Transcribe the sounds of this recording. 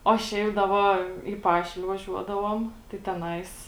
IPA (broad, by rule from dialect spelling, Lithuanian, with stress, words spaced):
oː ˈʃʲɛɪp dɐ ˈʋɐ iː ˈpɑːʃʲɪlʲeː ʋɐˈʒʲuɔdɐʋuɔm tɐɪ tʲɛˈnɐɪs